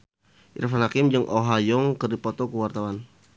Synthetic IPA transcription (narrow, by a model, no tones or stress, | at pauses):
ḭrfanhakɪmd͡ʒɨŋʔoɦajɔŋkərdipɔt̪ɔkəwart̪awan